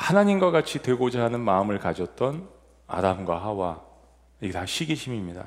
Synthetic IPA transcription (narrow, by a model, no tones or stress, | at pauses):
hanaɲimɡwakat͡ɕʰitwe̞ɡod͡ʑaɦanɯnmaɯmɯɭkad͡ʑʌt̚t͈ʌn | a̰damɡwa̰ɦawa | iɡetaɕʰiɡiɕʰimimɲida̰